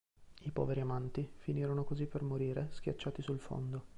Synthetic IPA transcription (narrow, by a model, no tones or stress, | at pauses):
ipɔ̰ːveɾiamant̪ifiniːɾonokozipːermoɾiːɾesk̟ja̰t͡ʃːaːt̪isulfo̰nd̪o